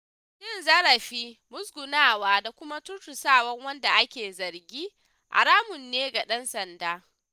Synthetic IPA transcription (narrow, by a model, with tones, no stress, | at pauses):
ʃɪ˦nzɐ˦ɾɐ˨ɸiː˦mʊ˦sɡʷʊ˨naː˦waː˦da˨kʷʊ˦ma˦tʊ˦tʊ˨saː˦˨wɐ˦ŋwɐ˦nda˨ʔa˦kʲeː˨zɐ˨ɾɡʲiː˦ | ʔa̰˨ɾaː˦mʊ˨nːeː˦ɡa˨ɗɐ˦nsɐ˨ndaː˦